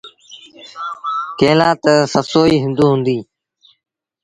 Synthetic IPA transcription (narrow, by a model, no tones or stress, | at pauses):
keːlaːt̪səsoːiːɦɪ̃nd̪uːɦʊ̃nd̪iː